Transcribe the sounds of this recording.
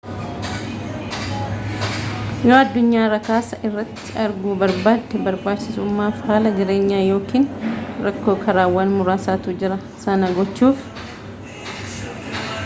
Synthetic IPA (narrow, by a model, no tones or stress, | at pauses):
joːɐd̪ːʊɲːaːɾɐkaːsɐʔɪrːɐt̪ːɪɐɾɡuːbɐɾbaːd̪ɛbɐɾbaːd̪t͡ʃːɪsʊmːaːfhaːlɐd͡ʒɪɾe̞ːɲːaːjo̞ːkiːnɾɐkːo̞ːkʰɐɾaːwɐːnmʊɾaːsaːt̪ʊd͡ʒɪɾɐ | sɐnɐɡɔt͡ʃːuːf